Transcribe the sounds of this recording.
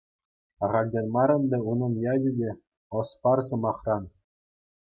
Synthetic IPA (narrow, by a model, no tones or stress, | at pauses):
ɑʁɑlʲdʲenʲmɑɾɤ̆nbʲeunɤ̆njɑdʲɘ̆dʲe | ɤ̆spɑrsɤ̆mɑχrɑn